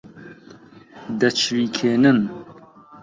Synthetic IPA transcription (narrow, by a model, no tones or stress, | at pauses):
d̪ɐt͡ʃʰɾiːkʰeːnɨn